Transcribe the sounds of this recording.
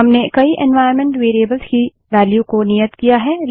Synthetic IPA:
ɐmnekɐiʔɛ̃nʋaːɪɾmɛ̃ɳʈʋeːɾieːbəlzki | ʋæːljukonijət̪kijaɦɛː

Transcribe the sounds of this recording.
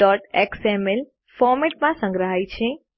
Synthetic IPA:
ɖɔʈeksemel | fɔɾmeʈ̚mãsə̃ŋɡɾəɦajt͡ʃʰe

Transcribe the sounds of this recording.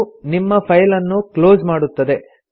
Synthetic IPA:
nimːɐpʰɐjlɐnːuklo̞ːzmaːɽut̪ːɐd̪e̞

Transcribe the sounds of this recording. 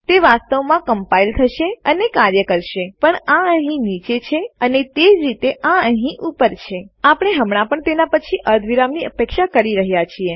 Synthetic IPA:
t̪eʋast̪əʋmãkəmpailt̪ʰəʃeənekaɾjəkəɾʃepəɳãəɦĩnit͡ʃet͡ʃʰeənet̪ed͡ʒɾit̪eʔãəɦĩʔupəɾt͡ʃʰeapəɽ̃eɦəmɳ̃ãpəɳt̪enapət͡ʃʰiʔəɾd̪ʱʋiɾamniəpekʃakəɾiɾəɦjat͡ʃʰie

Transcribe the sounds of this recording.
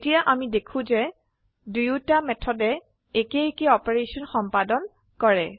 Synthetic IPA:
tijaʔamidekʰũzɛ | dujutamɛtʰɔdɛ | ekeekeɔpeɹesɔnxɔmpadɔn | kɔɹɛ

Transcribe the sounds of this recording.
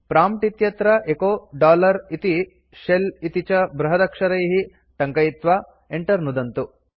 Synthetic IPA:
pɾaːmʈit̪jɐt̪ɾɐʔekoːɖaːlɐɾit̪i | ʃelit̪it͡ʃɐbɾɐɦɐd̪ɐkʂɐɾɐjɦi | ʈɐŋkɐjit̪ʋa | eɳʈɐɾnud̪ɐnt̪u

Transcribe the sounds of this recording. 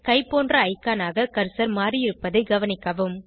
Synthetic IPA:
kɐɪpoːndrɐːɪkːaːnaːɣɐkɐɾsɐɾmaːrijɪɾɯpːɐðɐɪɡɐʋɐnɪkːɐʋɯm

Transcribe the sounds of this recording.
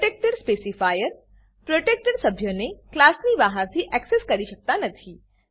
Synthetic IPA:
ʈeːk̚ʈəɾspeːsifʰaːjəɾ | pɾoːʈeːk̚ʈəɾsɐbʱjoneklaːsnibaːɦaɾsʰiʔɛkseskɐɾiʃɐk̚t̪anɐt̪ʰiː

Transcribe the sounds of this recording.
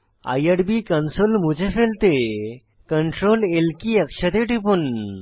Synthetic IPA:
a̰jəɽbikənsolmud͡ʑefelt̪e | kəɳʈɾolelkiəkɕət̪eʈipun

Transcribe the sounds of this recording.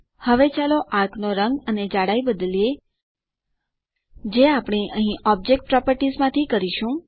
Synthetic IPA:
həʋet͡ʃaloʔak̪ʰnoɾəŋɡəned͡ʒaɽaibəd̪əlije | d͡ʒeapɽ̃eʔəɦĩʔɔb̚d͡ʒek̚ʈ̚pɾɔpəɾʈizmãt̪ʰikəɾiʃũ

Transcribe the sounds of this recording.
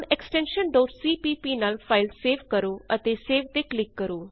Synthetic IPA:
nɛksʈɛ̃ːnʃənɖ̪oːsiːpiːpiːnaːlpʰaːɪlseːʋkəɾoːət̪eːseːʋt̪eːklɪkːəɾoː

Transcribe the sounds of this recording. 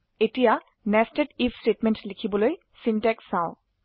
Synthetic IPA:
etija | nɛstedipʰstetmɛntlikʰibɔloj | sintɛksːãʊ̃

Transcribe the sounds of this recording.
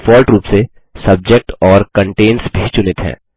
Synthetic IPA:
fɔːlʈɾuːpse | sɐb̚d͡ʒek̚ʈɔːɾkə̃ɳʈeːnsbʱit͡ʃʊnɪt̪ɦɛ̰̃ː

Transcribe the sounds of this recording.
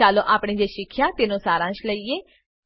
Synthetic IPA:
aːlõːʔaːpɳ̃ẽːd͡ʒeːʃɪkʰːjaːt̪ɪnõːsaːɾãːʃləieː

